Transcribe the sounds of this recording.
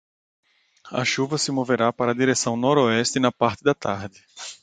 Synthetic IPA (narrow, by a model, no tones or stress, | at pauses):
ɐ̰ʃuvɐsɪmoveɾapaɾɐd̪iɾesɐ̃w̃nɔɾoɛst̪ɪnɐpaɾt̪ɪd̪ɐt̪ʰaɾd̪ɪ